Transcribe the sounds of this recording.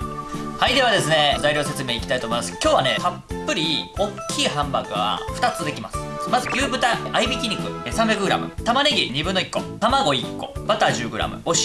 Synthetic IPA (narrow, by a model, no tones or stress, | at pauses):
haid̪e̞ad̪e̞sɨne̞zaiɾʲose̞t͡sɨme̞ːikʲi̥t̪ait̪omoimasɨ̥kʲo̞ːβane̞papːɯ̟ɾʲio̞kʲʰːiːɦãmbakɯ̟βa̰ɸɯ̟t̪at͡sɨd̪e̞kʲimasɨ̥mazɨkʲɨːbɯ̟t̪aʔaibʲikʲiɲ̟ːikɯ̟sãmbʲakɯ̟ɡɯ̟ɾa̰mɯ̟t̪amaneɡʲiɲ̟ibɯ̟̃nːo̞ikːo̞̰t̪amaɡo̞ikːo̞̰b̥at̪aʑɨːɡɯ̟ɾa̰mɯ̟̰oɕ